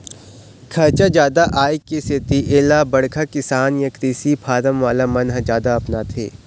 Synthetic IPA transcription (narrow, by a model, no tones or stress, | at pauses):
kʰɐɾt͡ʃad͡ʒjaːd̪aʔaːikiset̪iʔeːlabɐɽkʰakɪsaːnjɐkɾiːsipʰaːɾəmʋaːlamɐnɦd͡ʒjaːd̪aɐpnat̪ʰḛː